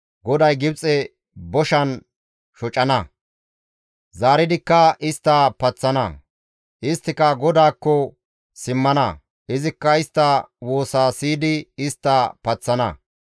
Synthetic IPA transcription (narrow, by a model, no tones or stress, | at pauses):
ɡɔd̪ɐjɡɪbt͡sʼɛ | bɔʃɐn | ʃɔt͡ʃʼɐnɐ | zaːɾɪd̪ɪkːɐʔɪst̪ːɐpɐt͡sːɐnɐ̰ | ʔɪst̪ːɪkɐɡɔd̪aːkːɔ | sɪmːɐnɐ̰ | ʔɪzɪkːɐɪst̪ːɐwoːsaːsiːd̪ɪːst̪ːɐpɐt͡sːɐnɐ̰